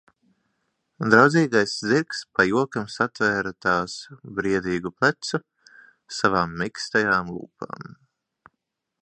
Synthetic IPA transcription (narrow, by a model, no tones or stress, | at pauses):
d̪ɾawd̪ziːɡajsziɾkspajuɔkamsat̪væːɾat̪aːsbɾiɛd̪iːɡuplæt̪su | savaːmːikst̪ajaːmlˠṵːpa̰ːm